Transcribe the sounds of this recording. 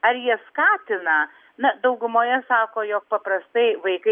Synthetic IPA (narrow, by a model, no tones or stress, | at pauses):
ɐɾjiɛskɑːt̪ʲɪnɐ | nɐd̪ɐʊɡʊmoːjɛsɑːkoːjoːk̚pɐpɾɐst̪ɐɪʋɐɪkɐ